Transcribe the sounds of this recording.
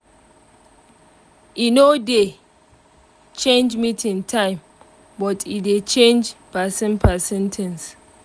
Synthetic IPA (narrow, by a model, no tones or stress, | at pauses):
inode | t͡ʃẽnd͡ʒmitʰĩnŋtʰãɪ̃m | bɔtʰidet͡ʃẽnd͡ʒpasɛ̃npʰəsɛ̃ntʰɛ̃ns